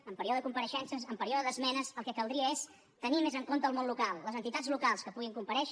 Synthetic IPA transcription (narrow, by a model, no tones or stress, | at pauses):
əmpəɾioðəkumpəɾəʃɛnsəsəmpəɾioðəðəzmɛnəzəlˠkɛkəlˠd̪ɾiəes | t̪ənimezəŋkont̪əːlˠmonlukalˠːəzənt̪it̪ad͡zlukalˠskəpuɣiŋkumpəɾɛʃ